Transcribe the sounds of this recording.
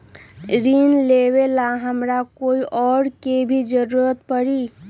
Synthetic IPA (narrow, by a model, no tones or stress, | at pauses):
ɾinleβelaɦəmɾakoiʔɔɽkebʱid͡ʒəɾuɾət̪pəɾi